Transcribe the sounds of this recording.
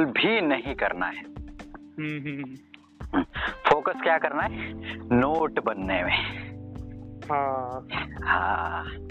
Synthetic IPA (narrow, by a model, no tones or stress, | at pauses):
lbʱinɐɦĩkɐɾna̰ɦɛɦɦ | foːkəskjaːkɐɾnaɦɛnoːʈbɐnːemẽ | ɦã | hã